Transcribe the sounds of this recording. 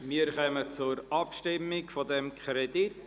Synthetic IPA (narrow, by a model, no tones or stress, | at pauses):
miːəɾχœmət͡sʊɾɑpʃtɪmːɪɡfɔdɛmkʰɾɛdit